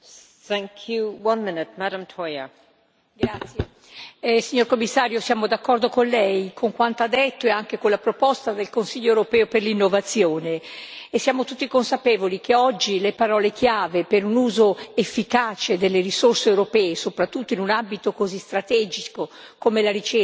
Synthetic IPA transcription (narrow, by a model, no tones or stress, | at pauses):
θæ̃ŋkʰjuwʌ̃nmɪnɪt̚maɾə̃mtʰɔjə | ɡɾat̪sːje | siɲːorkomːisːaːɾjosjaːmod̪akːɔrd̪okonlɛjkʰoŋkwant̪oad̪ːet̪ːoeaŋkekonlapɾopɔst̪ad̪elkonsiʎːoewɾopɛːoperlinːovat̪sːjoːneːsːjaːmot̪ut̪ːikonsapɛːvolik̟ʰeɔd͡ʒːilepaɾɔːlek̟jaːvepeɾunuːzoefːikaːt͡ʃed̪elːeɾisorseːwɾopɛːesopɾat̪ːut̪ːoinunambit̪okozist̪ɾat̪ɛːd͡ʒiko | komelaɾit͡ʃe